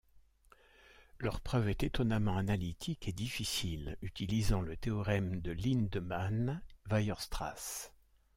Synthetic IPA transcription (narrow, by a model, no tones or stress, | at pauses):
lœʁpχœvɛt̪et̪ɔnamɑ̃analit̪ʰikʰed̪ifisilyt̪ilizɑ̃lət̪eɔʁɛmd̪əlind̪manvajœʁst̪χa̰s